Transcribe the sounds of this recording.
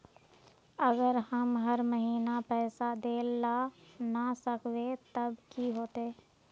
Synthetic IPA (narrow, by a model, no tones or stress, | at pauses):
ɐɡəɾhɐmɦɐɾməɦiːnapɛːsad̪eːlːanasəkʰʋet̪ɐbkiɦoːt̪eː